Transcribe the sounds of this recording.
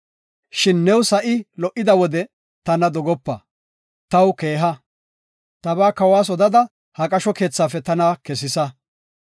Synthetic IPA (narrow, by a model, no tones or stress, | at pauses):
ʃɪnːɛwsɐʔɪlɔʔɪd̪ɐwɔd̪ɛ | t̪ɐnɐd̪ɔɡɔpːɐ̰ | t̪ɐwke̞ːɦɐ | t̪ɐbaːkɐwaːs̬ɔd̪ɐd̪ɐ | hɐkʼɐʃɔke̞ːt͡sːaːfɛt̪ɐnakɛsɪsɐ